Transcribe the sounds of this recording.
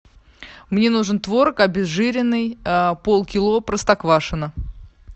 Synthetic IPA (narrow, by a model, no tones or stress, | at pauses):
mnʲe̞nuʐɨnt̪vo̞ɾəkɐbʲɪzʐɨɾʲɪnːɨjpolˠkʲɪlˠopɾəst̪ɐkvaʂɨnə